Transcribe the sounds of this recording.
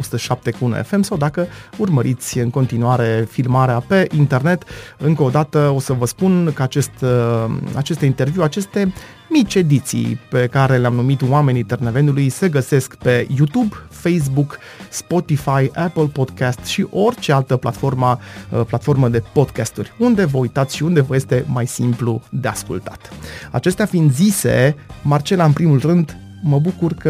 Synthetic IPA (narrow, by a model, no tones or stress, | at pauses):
osu̥t̪əʃap̚t̪e̞kuunḛfe̞msawd̪akəurməɾit̪sʲɨŋko̞nt̪inuaɾe̞filmaɾeape̞ʔint̪e̞rne̞t̪ɨŋkəod̪at̪əo̞səvəspunkəat͡ʃe̞st̪ | a̰t͡ʃe̞st̪int̪e̞rviuat͡ʃe̞st̪e̞ | mit͡ʃʲe̞d̪it̪sḭjpe̞kaɾe̞leamnumit̪wame̞nit̪erneve̞nulujse̞ɡəse̞skpe̞jut̪ubfejs̬buk | spo̞t̪ifajʔapəlpo̞d̪kast̪ʃiʔo̞rʲt͡ʃe̞alt̪əpla̰t̪fo̞rməəplat̪fo̞rməd̪e̞po̞d̪kast̪urʲund̪e̞vəujt̪at̪sʃiund̪e̞vəje̞st̪e̞majsimplṵd̪e̞askṵlt̪ḁt̪a̰t͡ʃe̞st̪eafind̪zise̞̰mart͡ʃe̞laɨnpɾimulrɨnd̪ | məbukurkə